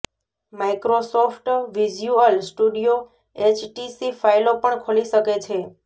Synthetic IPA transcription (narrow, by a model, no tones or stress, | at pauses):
maikɾosofʰʈʋid͡ʒjuəlsʈuɖijo | et͡ʃʈisifailopəɳkʰoliʃəket͡ʃʰe